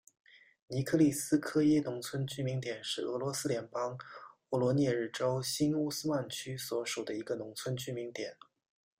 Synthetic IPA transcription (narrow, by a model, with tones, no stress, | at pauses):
ni˧˥kʰɤ˥˧li˥˩sɹ̩˥kʰɤ˥jɛ˥nʊ˧˥ŋt͡sʰwə˥nt͡ɕy˥mi˧˥ŋt̪jɛ˨˩nʂɻ̩˥˩ɤ˧˥lwɔ˧˥sɹ̩˥ljɛ˧˥npɑ˥ŋɔ˥˩lwɔ˧˥njɛ˥˧ɻ̩˥˩ʈ͡ʂo˥ʊɕi˥nu˥˧sɹ̩˥ma˥˩nt͡ɕʰy˥swɔ˧˥ʂu˨˩d̪ə˦i˧˥ɡə˧nʊ˧˥ŋt͡sʰwə˥nt͡ɕy˥mi˧˥ŋt̪jɛ˨˩˦n